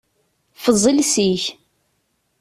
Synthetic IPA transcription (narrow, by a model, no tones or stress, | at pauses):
fəzˤːilsiç